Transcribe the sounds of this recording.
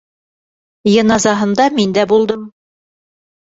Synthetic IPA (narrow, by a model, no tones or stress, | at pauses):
jɤ̆nɑzɑɦɤ̆nd̪ɑmind̪æbulˠd̪ɤm